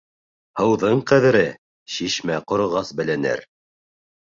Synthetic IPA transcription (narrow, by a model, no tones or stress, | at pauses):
hɤ̆wðɤɴqæðɘ̆ɾɘ | ʃiʃmæqŏɾŏʁɑsbɘ̆lɘ̆nɘ̰ɾ